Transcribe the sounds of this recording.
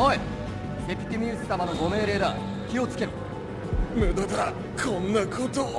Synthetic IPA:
oi | sepʲi̥t̪ʲːimʲɨːsɨ̥t̪amano̞ɡo̞me̞ːɾe̞ːd̪a | kʲio̞t͡sɨ̥ke̞ɾɯ̟ | mɯd̪ot̪aɾa | kʰõnːakʰot̪o

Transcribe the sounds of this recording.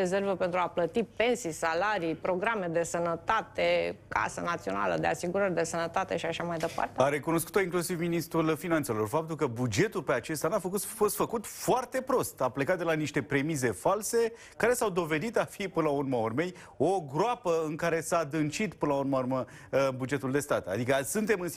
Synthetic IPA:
ezervəpe̞nt̪ɾuaplət̪ipe̞nsisalaɾijpɾo̞ɡɾame̞d̪e̞sənət̪at̪eka̰sənat̪sio̞na̰lə̰d̪easiɡuɾəɾʲd̪e̞sənət̪at̪e̞ʃiaʃamajd̪e̞pa̰rt̪eaɾe̞kuno̞sku̥t̪o̞iŋklusivminist̪ɾulfinant̪selo̞rfap̚t̪ulkəbud͡ʒe̞t̪ulpeat͡ʃe̞st̪anafəkufo̞st̪fəkut̪foart̪e̞pɾo̞st̪aplekat̪̚d̪elaniʃt̪e̞pɾe̞mize̞false̞ | kaɾe̞sawd̪o̞ve̞d̪it̪afipɨnəlaurməorme̞j | o̞ɡɾoapəɨŋkaɾe̞sad̪ɨnt͡ʃit̪pɨnəlaurmaurmə | bud͡ʒe̞t̪uld̪e̞st̪at̪a̰d̪ikəsɨnt̪e̞mɨn

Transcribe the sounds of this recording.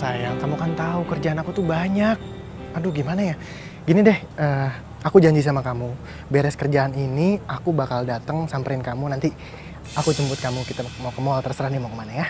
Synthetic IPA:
sajaŋkamukant̪aukərd͡ʒaanakut̪ʊhbaɲak̚ | aduɡimanaja | ɡinidɛh | əː | akud͡ʒaɲd͡ʒisamakamu | bɛɾɛskərd͡ʒaːniniakubakaldat̪əŋsampəɾɪnkamunant̪i | akut͡ʃəmbʊt̪̚kamukit̪amakəmoalt̪ərsəɾahdimakəmanaja

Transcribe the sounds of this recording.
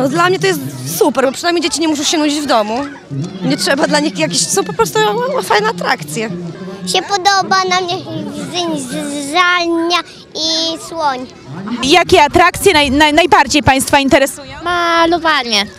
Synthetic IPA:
nɔd̪lamɲɛt̪ɔjɛst̪supɛɾbɔpʂɨnajmʲejd͡ʑet͡ɕiɲɛmuʂ̬ɔ̃w̃ɕɛnud͡ʑid͡ʑvd̪ɔmu | ɲɛtʂɛbad̪laɲixjak̬ʲeɕsɔ̃w̃pɔpɾɔst̪ufajnɛat̪ɾa̰kt̪sʲjɛɕɛpɔd̪ɔbanamɲɛzɪɲzʐalɲa | iswɔɲ | jakʲɛat̪ɾakt̪sʲjɛnajnanajbaɾd͡ʑejpaj̃st̪faint̪ɛɾɛsujɔ̃malɔvaɲɛ

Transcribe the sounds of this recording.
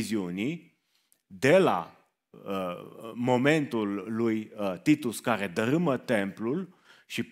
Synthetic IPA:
ziuni | d̪e̞la̰ | mo̞me̞nt̪ulːujt̪it̪uskaɾe̞d̪əɾɨmət̪e̞mplul | ʃip

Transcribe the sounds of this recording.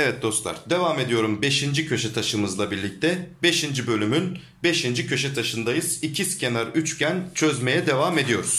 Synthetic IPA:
evɛt̪̚d̪o̞st̪lˠa̰ɾd̪e̞vaːme̞d̪ijo̞ɾumbe̞ʃind͡ʒicʰø̞ʃɛt̪ʰaʃɯmɯzlˠabiɾlʲic̚t̪ʰɛbe̞ʃind͡ʒibø̞lʲymyn | be̞ʃind͡ʒicʰøʃɛt̪ʰaʃɯnd̪ajɯz̥icʰiscʰe̞naɾyt͡ʃcʰænt͡ʃʰø̞zme̞jɛd̪e̞vame̞d̪ijo̞ɾuz̥

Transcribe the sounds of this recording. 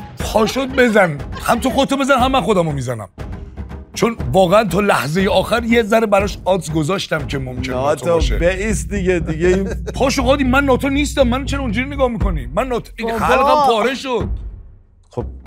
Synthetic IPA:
pʰɒːʃod̪̚be̞zænhæmt̪ʰoxod̪t̪ʰːɔbe̞zænɦæmːæxod̪æmomiːzænæ̰m | t͡ʃʰonvɒːɣeænt̪ʰɒːlæhzejeɒːxæɾjezæɾebæɾɒʃɒːd̪sɡozɒːʃt̪æmcʰemomcʰet̪ʰoʃḛbeʔisd̪iɡed̪iɡeinpʰɒːʃoɣɒːd̪iːmænːɒːt̪ʰoniːst̪æmːænt͡ʃʰeɾond͡ʒuɾineɡɒːhmiːkʰonimænːɒːt̪ʰoeæɾed̪æmbɒːɾeʃod̪̥̚ | xob̚

